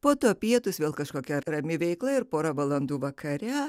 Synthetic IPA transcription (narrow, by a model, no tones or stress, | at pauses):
poːt̪oːpʲiɛt̪ʊsʋʲeːlˠkɐʃkoːkʲɛrɐmʲɪʋʲɛɪklˠɐɪɾpoːɾɑʋɐlˠɐnd̪uːʋɐkʰɐɾʲɛ